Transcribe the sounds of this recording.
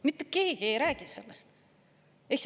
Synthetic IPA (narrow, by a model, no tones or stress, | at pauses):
mit̪ːˑekeːɡ̥ie̞jɾæːɡ̥ise̞lːest̪ | eks